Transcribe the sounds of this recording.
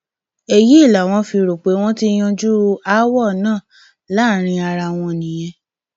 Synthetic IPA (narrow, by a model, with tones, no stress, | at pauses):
e˨ji˦i˦˨la˨w̃ɔ̃˧˦fi˧ɾo˨k͡pe˨˦w̃ɔ̃˦ti˦j̃ɔ̃˧d͡ʒu˦ɾu˧a˦wɔ˦˨nãː˦˨ | la˦˨ɾ̃ĩ˧a˧ɾa˧w̃ɔ̃˧nĩ˨j̃ɛ̃˧